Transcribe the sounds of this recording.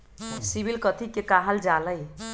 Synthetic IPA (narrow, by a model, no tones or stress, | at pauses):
sibilkət̪ʰikekaɦəld͡ʒaləj